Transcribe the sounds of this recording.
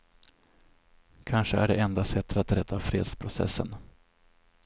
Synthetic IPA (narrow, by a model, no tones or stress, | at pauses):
kʰanʂəæɖɛɛnd̪asɛt̪ːɾat̪ɾɛd̪ːafɾeːd̪spʰɾʊsɛ̰sːən